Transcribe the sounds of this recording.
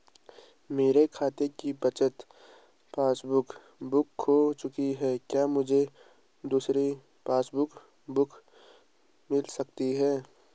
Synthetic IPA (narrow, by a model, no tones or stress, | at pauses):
meːɾekʰaːt̪ekibət͡ʃət̪ | pãːsbʊkʰ | bʊkɦɦot͡ʃʊkiɦɛːkjaːmʊd͡ʒʱe | d̪uːsɾi | paːsbʊkʰ | bʊkʰ | mɪlsɐkt̪iɦɛː